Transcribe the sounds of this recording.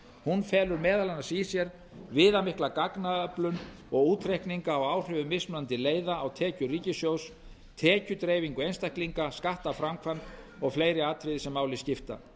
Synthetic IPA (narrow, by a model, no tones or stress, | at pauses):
hunfɛːlʏɾmɛːðalanasisjɛɾ | vɪːðamɪhklakaknaœplʏn | ɔɣuːt̪ʰɾehkniŋkaːwaːwr̥ʏvʏmɪsmnant̪ɪleːjðaːwt̪ʰɛːcʏriːcɪsjows | t̪ʰɛːcʏt̪ɾeːjviŋkʏejnst̪ahkliŋkaskaht̪afɾamkʰvant̪ | ɔɣfleːjɾɪaːt̪ʰɾɪðsɛmːaːwlɪscɪft̪a̰